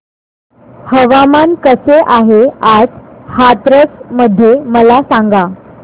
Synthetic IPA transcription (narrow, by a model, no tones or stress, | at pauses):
həʋamankəseʔaɦead͡zhat̪ɾət͡sməd̪ʱːjeməlasaŋɡa